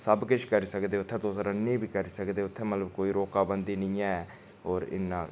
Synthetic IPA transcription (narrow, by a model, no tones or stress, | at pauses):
səbkɪt͡ʃʰkəɾiːsəkd̪eːʊt̪ʰːɛ̃ːt̪oːsɾənːẽːbiːkəɾiːsəkd̪eːʊt̪ʰːɛ̃ːmət̪ləbkoːiːɾoːkaːbənd̪iːnĩːɛ̃ː | ɦɔːɾɪ̰nːãː